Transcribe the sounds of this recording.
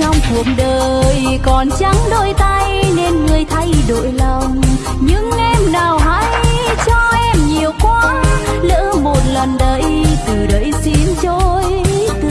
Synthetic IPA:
t͡ɕɔ˧wŋ͡mku˨˩ək̚ɗəː˨˩˨j | kɔ˨˩nt͡ɕa˨˦ŋɗo̰˧˨jt̪a˧jne˧nŋɨ˨˩əjt̪ʰa˧jɗo̰˧˨jlɔ˨˩wŋ͡m | ɲɨ̰˧˥ŋʔɛ˧mnaː˨˩wɦa̰ː˧˥jt͡ɕɔ˧ʔɛ˧mɲi˨˩əwkwaː˧lə̰ː˧˥mo˨˩t̚lə˨˩nɗə˧˩jt̪ɨ˨˩ɗə̰˧˦jsi˧˦nzo˧j | t̪

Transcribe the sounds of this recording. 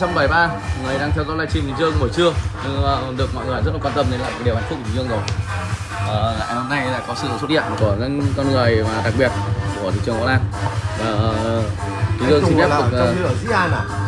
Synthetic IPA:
t͡ɕa˧wŋ͡mɓa˨˩jɓaː˧˨ŋɨ˨˩ə˩jɗaː˧ŋt̪ʰɛ˧wzɔ˧˦laː˧jt͡ɕi˧˩mt̪i˨˩ŋzɨ˧ə˧kɓə˧˩t͡ɕɨ˧əɲɨ˧ŋː˨˩ɗɨ˨˩ək̚mɔ̰˧˨jŋ˧˨˩zə˦˥t̚la˧waː˧t̪ə˧mne˧nlaː˨˩˨jɗha˨˩ŋ̚ʰ˦˥˩i˨˧ŋ˧ɨ˧əŋzo˨˩j | ʔəː˨˩˨ʔho˧mna˧jɗa̰ː˧˥kɔ˨˦sɨ̰˧˨swt̚hḭ˧˨əmku˧˩ə˧˥˦nkɔ˧nŋɨ˨˩əjmaː˨˩ɗa˨˩k̚ɓi˨˩ət̚ku˧˩ət̪ḭ˧˨t͡ɕɨ˨˩əŋɔ̰˧˥˦ʔaː˧nvaː˨˩˨ | i˨˦zɨ˧ə˧si˧ŋfɛ˦˥kkːəː˧˩zḭ˧˥aː˧˩a˨˩

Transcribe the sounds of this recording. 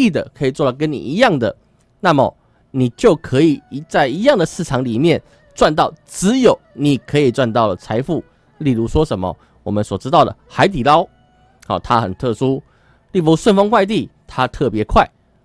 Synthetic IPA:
i˥˩d̪ə˩kʰɤ˧˥i˨˩t͡swɔ˥˩lə˨˩k̬ə˦nnḭ˨˩i˧˦jɑ˥˩ŋd̪ə̰˩ | na˥˨mə̰˨˩ | ni˨˩t͡ɕjo˥˩ʊkʰɤ˧˥i˨˩˧t͡sa˥˩ɪi˧˥jɑ˥˩ŋd̪ə˩sɹ̩˥˩ʈ͡ʂʰɑ˧˥ŋli˨˩mjɛ˥˨n | t͡swa˥˧nt̪ɑ˥˩ʊt͡sɹ̩˧˦jo˨˩˦ʊni˨˩kʰɤ˧˥i˨˩t͡swa˥˧nt̪ɑ˥˩ʊlə˩t͡sʰa˧˥ɪfu˥˩ | li˥˩lu˧˥ʂwɔ˥ʂə˨˦nmə̰˨ | wɔ̰˨˩mə˦nswɔ˨˩ʈ͡ʂɻ̩˥t̪ɑ˥˩ʊd̪ə̰˩xa˧˥ɪt̪̬i˨˩lɑ˥ʊ | hɔ˨˩t̪ʰa˦xə̰˨˩nt̪ʰɤ˥˩ʂu˥ | li˥˩pu˥swə˥˧nfɑ˥ŋkwa˥˧ɪt̪i˥˩t̪ʰa˦˥t̪ʰɤ˥˩pjɛ˧˦kʰwa˥˩ɪ

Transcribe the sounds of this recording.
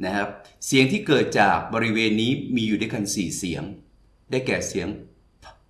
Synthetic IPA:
na˦˥kʰa˦˥p̚si˨˩˦əŋt̪ʰiː˥˩kɤː˨˩t̪̚t͡ɕaː˨˩k̚bɔː˧ɾi˦˥weː˧nːiː˦˥miː˧juː˨˩da˥˩jka˧nsiː˨˩si˩˦əŋ | daː˥˩jkɛː˨˩si˨˩˦əŋ | tʰ

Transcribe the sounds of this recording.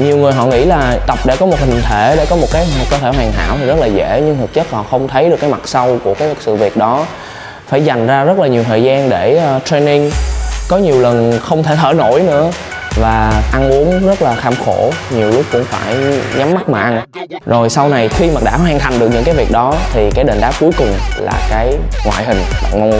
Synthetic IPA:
ɲi˨˩əwŋɨ˨˩əjɦɔ̰˧˨ŋḭ˧˥laː˨˩t̪ə˨˩p̚ɗe˧˩kɔ˨˦mo˨˩t̚hï˨˩ŋ̟t̪ʰe˧˩ɗḛ˧˩kɔ˨˦mo˨˩t̚kaː˨˦jkəː˧t̪ʰe˧˩ɦwaː˨˩ŋa̰ː˧˥˨wt̪i˨˩zə˦˥laː˨˩zḛ˧˥ɲɨ˧ŋt̪ʰɨ˨˩k̚t͡ɕə˦˥t̚hɔ̰˧˨xə˧wŋ͡mt̪ʰə˨˦jɗɨ˨˩kːaː˨˦jma˨˩t̚sa˧wku˧˩əkaː˨˦jsɨ̰˧˨vi˨˩ək̚ɗɔ˨˦ | faː˧˩jza˨˩jŋ̟zaː˧zə˦˥t̚laː˨˩ɲi˨˩əwt̪ʰə̰ː˧˨jzaː˧nɗe˧˩ə˨˩t̪ɾe˧ni˧ŋkɔ˨˦ɲi˨˩əwlə˨˩nxə˧wŋ͡mt̪ʰe˧˩t̪ʰəː˧˩no̰˧˩jnɨ̰˧˥ə | vaː˨˩ʔa˧nʔu˨˦əŋzə˦˥t̚laː˨˩xaː˧mxo˧˩ɲi˨˩əwlʊ˦˥k͡p̚kʊ̰˧˥wŋ͡mfaː˧˩jɲa˨˦mːa˦˥k̚maː˨˩ʔa˧n | zo˨˩jsa˧wna˨˩jxi˧maː˨˩ɗa̰ː˧˥˩haː˧ŋt̪a˨˩jŋ̟ɗk̚ɲɨ̰˧˥ŋkaː˨˦vi˨˩ək̚ɗɔ˨˦t̪ʰi˨˩kaː˨˦jɗe˧˨˩nɗ̪aː˨˦˥p̚ku˨˦əjkʊ˨˩ŋ͡mla̰ː˨˩kaː˨˦jŋwa̰ː˧˨jɦï˨˩ŋ̟ɓa̰ː˧˨ŋo˧˦

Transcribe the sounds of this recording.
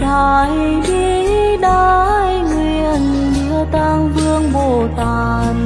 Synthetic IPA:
ɗaː˨˩j | zi˧ | ɗaː˧jŋwi˨˩˨ən | ɗi˧˥ət̪aː˧ŋvɨ˧əŋɓo˧˩t̪aː˧˩ | n

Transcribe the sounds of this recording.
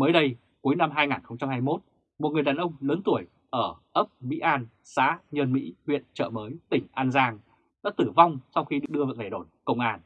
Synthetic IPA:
məː˨˦jɗə˧j | ku˨˦jna˧mɦaː˧jŋaː˨˩nxə˧wŋ͡mt͡ɕa˧mhaː˧jmo˦˥t̚ | mo˨˩t̚ŋɨ˨˩əjɗaː˨˩nʔə˧wŋ͡mləː˨˦nt̪u˧˩əj | ʔəː˧˩ʔə˦˥p̚mḭ˧˥ʔaː˧n | sa̰ː˧˥ɲəː˧nmḭ˧˥hwḭ˧˨ənt͡ɕə̰ː˧˩məː˨˦jt̪ï˧˩ŋ̟ʔaː˧nzaː˧ŋ | ɗa̰ː˧˥t̪ɨ˧˩va˧wŋ͡msa˧wxi˧ɗɨ˨˩k̚ɗɨ˧ə˧ve˧˩ɗo˧˩jkə̰˧˨wŋ͡mʔaː˧n

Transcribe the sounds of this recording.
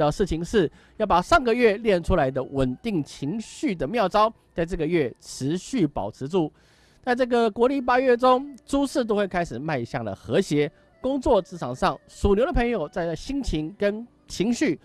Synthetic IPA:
ə˨˩ʂɻ̩˥˩t͡ɕʰi˧˩ŋʂɻ̩˥˩ | jɑ˥˩ʊpa˨˩ʂɑ˥˩ŋɡə˩ɥɛ˥˧ljɛ˥˩nʈ͡ʂʰu˥la˧˥ɪd̪ə˧wʔə˨˩nt̪i˥˩ŋt͡ɕʰi˧˥ŋɕy˥˩d̪ə˩mjɑ˥˩ʊʈ͡ʂɑ˥ʊt͡sa˥˧ɪʈ͡ʂɤ˥˩ɡə˩ɥɛ˥˩ʈ͡ʂʰɻ̩˧˦˥ɕy˥˩pɑ̰˨˩ʊʈ͡ʂʰɻ̩˧˥ʈ͡ʂu˥˩ | t͡sa˥˧ɪʈ͡ʂɤ˥˩ɡə˩kwɔ˧˥li˥˩p̬a˥ɥɛ˥˩ʈ͡ʂo˥ŋʈ͡ʂu˥ʂɻ̩˥˩t̪o˥ʊwe˥˩ɪkʰa˥ɪʂɻ̩˨˩ma˥˧ɪ˧ɕjɑ˥˩ŋd̪ə̰˩xɤ˧˥ɕjɛ˧˥ | kʊ˥ŋt͡swɔ˥˩t͡sɹ̩˧˥ʈ͡ʂʰɑ˨˩ŋʂɑ˥˩ŋsu˨˩nljo˧˥ʊd̪ə˧pʰɤ˧˥ŋjo˨˩ʊt͡sa˥˧ɪə˥˩ɕi˥ŋt͡ɕʰi˧˥ŋkə˦˥n | t͡ɕʰi˧˥ŋɕy˥˩

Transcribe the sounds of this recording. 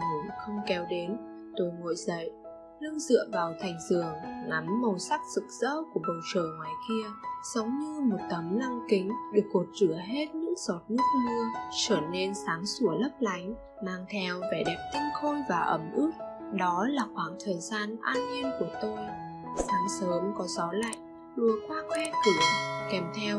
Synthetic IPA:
mu˨˩xə˧wŋ͡mkɛ˨˦wɗe˨˦n | t̪o˧jŋo̰˧˨jzə̰˧˨j | lɨ˧əŋzɨ̰˧˨əvaː˨˩wt̪ʰa˨˩jŋ̟zɨ˨˩əŋŋa˨˦mːə˨˩wsa˦˥k̚sɨ˨˩k̚z̥ə̰ː˧˥ku˧˩əɓə˨˩wt͡ɕəː˨˩ŋwaː˨˩jki˧əz̥ə˨˦wŋ͡mɲɨ˧mo˨˩t̚t̪ə˨˦mla˧ŋkï˨˦ŋ̟ɗɨ˨˩ək̚ːo˨˩t̚zɨ˧˩əɦe˦˥t̚ɲɨ̰˧˥ŋzɔ˨˩t̚nɨ˦˥ək̚mɨ˧ət͡ɕəː˧˩ne˧nsaː˨˦ŋsu˧˩ələ˦˥p̚la˨˦jŋ̟ | maː˧ŋt̪ʰɛ˧wve˨˩ɗɛ˨˩p̚t̪ï˧ŋ̟xo˧jvaː˨˩ʔə˨˧˩mʔɨ˦˥t̚ɗɔ˨˦laː˨˩xwaː˧˩ŋt̪ʰəː˨˩jzaː˧nʔaː˧nŋi˧nku˧˩ət̪o˧j | saː˨˦ŋsəː˨˦mkɔ˨˦zɔ˨˦la̰ː˧˨j | lu˧˩əkwaː˧kʰwɛ˧kɨ˧˩kɛ˨˩mt̪ʰɛ˧w

